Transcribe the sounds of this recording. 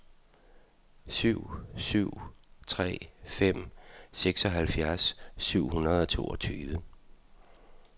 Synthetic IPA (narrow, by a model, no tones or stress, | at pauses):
syʊ̰syʊ̰t͡sʰʁɛ̰ːfem̰seɡ̥sɒ̽ɦælfjæɐsːyʊ̰hunɐð̞ˠɒ̽t͡sʰo̝ːɒ̽t͡sʰyːʋə